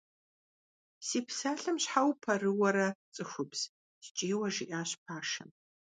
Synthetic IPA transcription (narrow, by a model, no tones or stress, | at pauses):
siːpʰsaːɬɨmɕħawpʰɐrɨwɐɾɐt͡sʼɨxʷʊbz̥ | st͡ʃʼeːwɐʒɪʔaːɕpʰaːʂɐ̰m